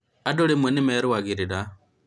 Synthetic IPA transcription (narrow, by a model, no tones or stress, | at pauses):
adoɺimwɛnimɛɾuwaɡiɾida